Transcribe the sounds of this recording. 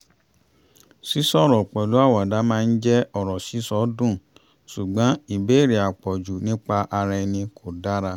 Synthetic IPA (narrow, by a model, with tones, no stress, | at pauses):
si˦sɔ˦˨ɾɔ˨k͡pɛ˨lu˨˦a˦˨wa˨da˨˦mãː˦˧n̩˦d͡ʒɛ˦ɔ˦˨ɾɔ˨si˨˦sɔ˨˦dũ˦˨ | su˨ɡ͡bã˨˦i˦˨be˨˦˨ɾi˨a˨k͡pɔ˨d͡ʒu˨nĩ˦k͡pa˧ʔa˧ɾɛ˧nĩ˧kʰo˨da˦ɾa˧˦